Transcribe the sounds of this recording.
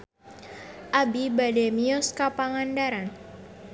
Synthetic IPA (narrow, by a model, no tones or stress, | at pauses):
ʔabibademiɔskapaŋandaɾan